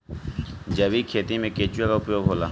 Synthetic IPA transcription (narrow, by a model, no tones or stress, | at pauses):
d͡ʒɐbikʰeːt̪imẽkeːt͡ʃʊjakaʊpjoːɡɦoːla̰ː